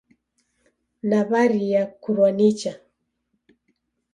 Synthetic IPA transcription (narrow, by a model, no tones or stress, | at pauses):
naβaɾijakuɾwanit͡ʃa